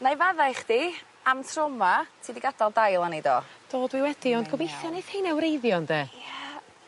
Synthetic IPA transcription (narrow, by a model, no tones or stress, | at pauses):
najvaðajχd̥i | amtʰrɔmatʰiːdiɡadɔlˠdajlˠanedo̰ːd̥oːdwiwɛdiɔndɡɔbejθjɔneθhiːnawɾejðjɔndeːjɛ